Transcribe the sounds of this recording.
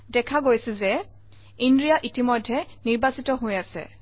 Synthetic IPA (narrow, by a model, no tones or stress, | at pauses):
dɛkʰaɡojsɛzɛ | indɹijaʔitimɔjdʱːɛniɹbasitɔɦojasɛ̰